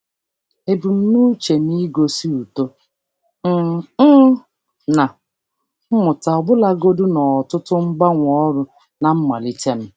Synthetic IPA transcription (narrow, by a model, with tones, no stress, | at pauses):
e˨bu˨m̩˦nu˦t͡ʃe˨ni˦ɡo˦si˦u˨to˦ | m̩˦ | na˨˦ | mʊ˨ta˨ɔ˨ɡ͡bʊ˦la˦ɡo˦dʊ˦nɔ˨tʊ˦tʊ˦ŋ͡m̩˦ɡ͡ba˦ŋʷɔ˦ɾʊ˦ | na˨m̩˦ma̰˨li˦tʰe˦m̩˦